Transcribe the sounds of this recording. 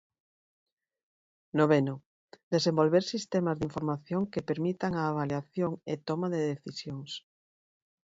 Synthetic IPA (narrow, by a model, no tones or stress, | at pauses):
noβenʊ | d̪esembolβeɾsist̪emazðiɱfoɾmaθjoŋkepeɾmit̪aŋaːβaljaθjoŋet̪ɔmaðeðeθisjoŋs